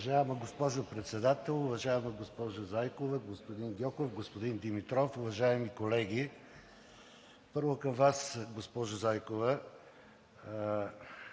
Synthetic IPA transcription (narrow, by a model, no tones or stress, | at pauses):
ɐʒaɛmɐɡospɔʒopɾɛt̪sɛd̪at̪ɛlˠʊvɐʒaɛmɐɡospɔʒozajkovəɡospod̪inɡʲɔkofɡospod̪ind̪imit̪ɾɔfʊvɐʒaɛmikolɛɡʲi | pɤɾvokɐmvasɡospɔʒʊzajkovə